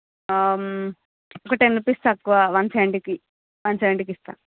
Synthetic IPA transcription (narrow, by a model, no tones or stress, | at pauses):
am | ɔkɐʈeːnipist̪ɐkːuʋaːʋɐnsɐjɳʈiki | ʋɐnsɐʋɐɳʈikist̪a̰